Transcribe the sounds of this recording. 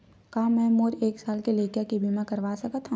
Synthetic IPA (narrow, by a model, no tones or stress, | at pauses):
kaːmɛ̃ːmoːɾeːksaːlkileːkjakibʱimãkɐɾʋaːsɐkat̪ʰːã